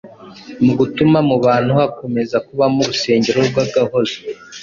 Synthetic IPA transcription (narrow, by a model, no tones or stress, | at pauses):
muɡutumamuβaːn̥huhako̞me̞zakuβamuɾuse̞ːɲɟe̞ɾoɾɡwaɡaho̞zo